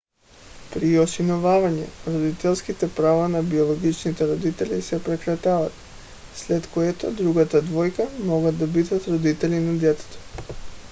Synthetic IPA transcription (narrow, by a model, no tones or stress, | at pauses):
pɾiosinɔvavaɲɛ̰ɾod̪it̪ɛlˠskit̪ɛpɾavanabiolˠoɡit͡ʃnit̪ɛɾod̪it̪ɛlisɛpɾɛkɾat̪avat̪̚ | slɛt̪koɛt̪od̪ɾuɡat̪ad̪vɔjkamɔɡad̪d̪abid̪at̪ɾod̪it̪ɛlinad̪ɛt̪ɛ̥t̪o̥